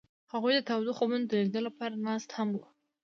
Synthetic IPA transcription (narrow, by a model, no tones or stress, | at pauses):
haɣujd̪ət̪awd̪oxobɪnd̪əeɡd̪əlapɑɾanɑst̪hamwu